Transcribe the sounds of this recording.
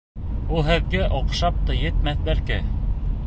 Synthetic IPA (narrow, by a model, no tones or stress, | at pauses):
ulˠɦɘ̆ðɡæʔoqʃɑp̚t̪ɤjɘ̆t̪̚mæθlæɾkɘ